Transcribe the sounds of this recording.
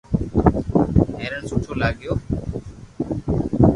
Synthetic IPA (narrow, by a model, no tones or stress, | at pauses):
eːɾəɳsuːʈʰoːlaːɠɪjoː